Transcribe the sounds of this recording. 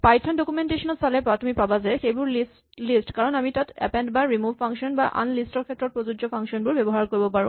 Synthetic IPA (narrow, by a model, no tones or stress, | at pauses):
pajtʰɔndokumenteʃɔnɔtsalɛpɹatʰɔmipabazɛxejbʊɹlis | lisʈkaɹɔnamitatɛ̰pɛndbaɹimuvpʰaŋkʃɔnbaʔa̰nlistɔɹkʰɛtːɹɔt̚pɹozud͡ʒɔpʰaŋʃɔnbʊɹbɛbɔɦaɹkoɹibɔpaɹṵ̃